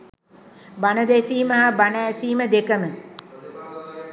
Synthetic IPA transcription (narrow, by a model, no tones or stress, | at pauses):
banəd̪esiːməɦabanəːsiːməd̪ekəmə